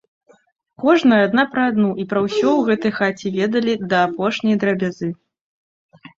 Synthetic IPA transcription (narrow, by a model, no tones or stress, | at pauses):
kɔʐnɐjɐad̪napɾɐːd̪nuʔipɾɐwsʲɔwɣɛt̪ɐjxat͡sʲivʲɛd̪ɐlʲid̪ɐːpɔʂnʲɐjd̪ɾɐbʲazɨ